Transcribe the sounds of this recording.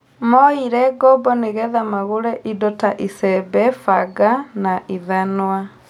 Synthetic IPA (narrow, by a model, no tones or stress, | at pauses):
mɔiɾɛɡɔbɔneɣɛðamaɣoɾɛʔidɔtaʔisɛbɛfaɡanaʔiðanwa